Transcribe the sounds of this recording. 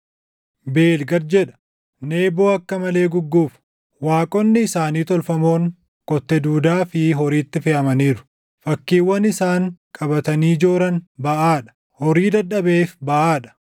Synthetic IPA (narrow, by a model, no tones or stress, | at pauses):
be̞ːlɡɐɾ̚d͡ʒɛᶑɐ̥ | ne̞ːbo̞ːɐkːɐmɐle̞ːɡʊɡːuːf | waːkʼɔnːɪːsaːniːt̪ɔlfɐmo̞ːŋ | kʼɔt̪ːɛd̪uːd̪aːfɪɦɔɾiːt̪ːɪfɛʔɐmɐniːɾʊ̥ | fɐkːiːwːɐnɪsaːŋkʼɐbɐt̪ɐniːd͡ʒo̞ːɾɐnbɐʔaːᶑɐ̥ | hɔɾiːd̪ɐᶑɐbeːfbɐʔaːᶑɐ̥